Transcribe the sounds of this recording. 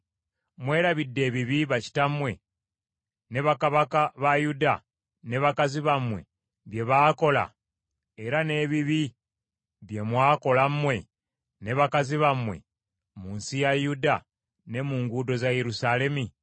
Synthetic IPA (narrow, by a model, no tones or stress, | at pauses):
mwe̞ːɾaβidːe̞ːβiβiβaci̥tamwe̞ | ne̞βakaβakaβajuda | neβakaziβamwe̞̰ | βje̞βaːko̞la̰ | eɾane̞βiβi | βje̞mwaːko̞lammwe̞ | ne̞βakaziβamwe̞̰ | munsijajuda | ne̞muːŋɡudo̞zaje̞ɾusale̞mi